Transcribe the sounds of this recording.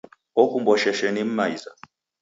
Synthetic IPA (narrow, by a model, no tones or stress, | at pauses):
ɔkumbɔʃɛʃɛnim̩maiza̰